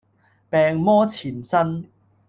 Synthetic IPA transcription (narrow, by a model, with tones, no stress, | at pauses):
pɛ˨˧ŋmɔː˦˥t͡ɕʰi˨˩nsa˦n